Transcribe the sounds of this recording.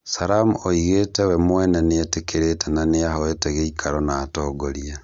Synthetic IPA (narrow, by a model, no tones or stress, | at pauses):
saɾamuoiɣetɛwɛmwɛnɛneetekeɾetɛnaneaɦoeteɣeikʰaɾɔnaːtoːɡoɾia